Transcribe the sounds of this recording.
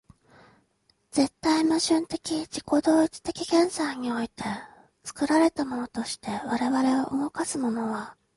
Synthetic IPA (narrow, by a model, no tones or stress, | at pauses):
z̥e̞t̪ːaimaʑɨ̃nt̪e̞kʲid͡ʑiko̞d̪o̞ːit͡sɨ̥t̪e̞kʲikẽ̞ɰ̃sãɲ̟io̞it̪e̞ | t͡sɨ̥kɯ̟ɾaɾe̞t̪amo̞no̞t̪o̞ɕi̥t̪e̞βaɾe̞βaɾe̞oʔomo̞kasɨmo̞no̞βa